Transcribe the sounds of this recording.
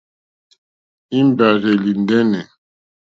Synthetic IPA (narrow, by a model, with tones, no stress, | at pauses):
i˦m˦ba˨ɾɛ˨li˨ndɛ˦nɛ˨